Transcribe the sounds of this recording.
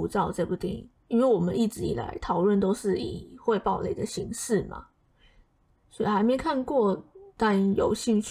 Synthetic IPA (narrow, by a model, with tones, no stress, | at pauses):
u˧˥t͡sɑ˥˧ʊʈ͡ʂpu˥˩t̪ḭ˨˩ | i˥nwe˥˩ɪwɔ˨˩mə˦ni˥˩ʈ͡ʂɻ̩˧˥ḭ˨˩la̰˧˥ɪt̪ʰɑ˨˩ʊlwə˥˨nt̪o˥ʊʂɻ̩˥˩ḭ˨˩xwe˥˧ɪpɑ˥˩ʊlḛ˨˩d̪ə˦ɕi˧˥ŋʂɻ̩˥˩ma̰˨˩ | swɔ˧˥i˨˩xa˧˥ɪme˧˥ɪkʰa˥˧nkwɔ˥˩t̪a˥˩njo̰˨˩ʊɕi˥˧ŋt͡ɕʰ